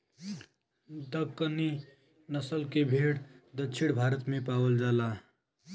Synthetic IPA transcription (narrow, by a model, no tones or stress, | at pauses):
d̪əɡkːəni | nəsəlkebʱeɽd̪ət͡ʃʰiɽbʱaɾət̪mepabəld͡ʒala